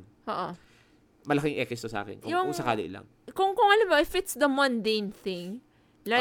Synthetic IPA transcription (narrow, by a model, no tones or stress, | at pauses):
ʔoːʔo | mɐlɐkɪŋʔɛkɛst̪osɐʔa̰kɛ̰nkjʊŋsɐkaːlo̰ʔɪla̰ŋ | kʊŋkʊŋɐlamoʔɪfɪt̪sd̪ɐmɐ̃nd̪ejnθɪ̃ŋ | la